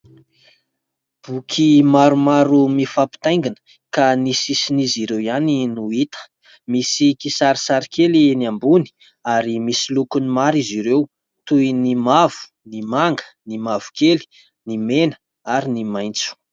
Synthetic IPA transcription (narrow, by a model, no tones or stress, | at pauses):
b̥ukʰimaɾumaɾumifapi̥t̪aj̃ŋɡinə̥ | kanisisiniziɾewianinuit̪ə̥ | misikisaɾisaɾikʰeliniambuni̥ | aɾimisilukunimaɾiziɾew | t̪ujnimav̥u̥ | nimaŋɡə̥nimavu̥keli̥ | nimenə̥ | aɾinimajnt͡su̥